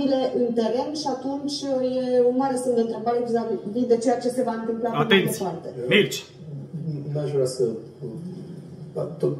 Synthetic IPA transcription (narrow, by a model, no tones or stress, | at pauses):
ile̞ʔɨnt̪e̞ɾe̞nʃiat̪unt͡ʃʲjeunmaɾe̞semd̪eɨnt̪ɾe̞bəɾeekizabilvid̪e̞t͡ʃe̞jat͡ʃe̞se̞vaɨnt̪ɨmplaameesʲpart̪e̞milt͡ʃ | naʃvɾasə | t̪ːot̪